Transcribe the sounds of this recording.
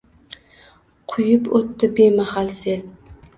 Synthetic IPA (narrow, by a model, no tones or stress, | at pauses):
qʰʊjɪpot̪ːɪbemahalse